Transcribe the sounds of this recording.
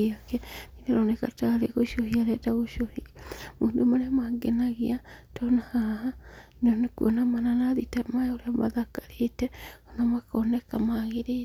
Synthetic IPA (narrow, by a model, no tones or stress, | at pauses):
akɛmiɾeɾonekataɾeɣoʃohiaɾɛtaɣoʃohimoːndomaɾeamaɡenaɣiatʰonahaɦa | nonekuʔonamananaðitamaoɾeama̰ðakaɾetɛonamakonɛkamaɣeɾi